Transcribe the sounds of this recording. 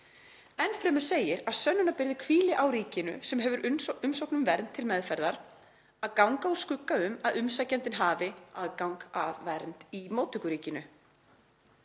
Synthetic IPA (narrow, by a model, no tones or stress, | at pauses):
ɛnfɾɛːmʏ̥seːjɪɾaðsœnːʏnapɪɾðɪkʰviːlɪʔawɾiːcɪnʏ̰sɛmɦɛvʏɾʔʏmsowknʏmvɛɾnt̪ʰːɪlmɛðfɛɾðaɾ̥ | aðkawŋkauskʏkːaʏmaðʏmsajcɛnt̪ɪnɦaːvɪaðkawŋkaðvɛɾnt̪imoːwt̪ʏhkʏɾiːcɪnʏ